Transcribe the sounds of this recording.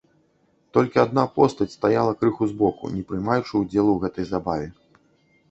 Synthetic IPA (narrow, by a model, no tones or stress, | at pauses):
t̪ɔlʲkʲiad̪napɔst̪ɐt͡sʲst̪ajalˠɐkɾɨxuzbɔkṵnʲɛpɾɨjmajut͡ʂɨud͡zʲɛlˠuwɣɛt̪ɐjzabavʲɛ